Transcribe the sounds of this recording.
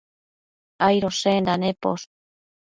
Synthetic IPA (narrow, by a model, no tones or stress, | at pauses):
ajɾosend̪anepo̰s